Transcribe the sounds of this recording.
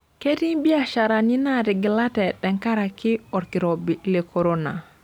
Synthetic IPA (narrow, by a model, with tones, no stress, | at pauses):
ke˦ti˦ŋbi˦a˨ʃa˨ɾa˨ni˦na˦ɾi˨ɡi˨la˦tɛ˨ɗɛ˨ŋka˦ɾa˨ki˦ɔ˨ɾki˨ɾo˨bi˨le˨kʰo˨ɾo˦na˨